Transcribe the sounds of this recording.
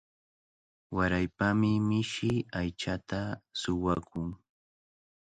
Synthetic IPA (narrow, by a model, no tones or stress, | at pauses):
waɾajpamɪmɪʃɪajt͡ʃat̪asʊwakʊŋ